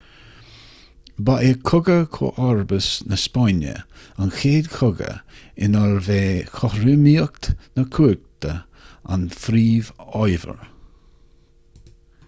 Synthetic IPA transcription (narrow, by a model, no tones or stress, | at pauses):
baʔekʰʊɡəkʰo̰ʔɔɹbəsnəspɔnə̰ | anxeːd̪kʰʊɡə̰ɪnɔlveːxɔhɾɪmiək̚t̪nəkʰuːɡ̚t̪ə | a̰nθɾiːvɔjvə̰ɹ